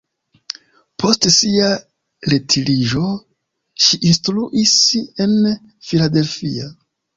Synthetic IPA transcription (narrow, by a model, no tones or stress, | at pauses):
pʰo̞stsia | letʰiliʒo̞ | ʃiʔinstɾuʔise̞n | filade̞lfia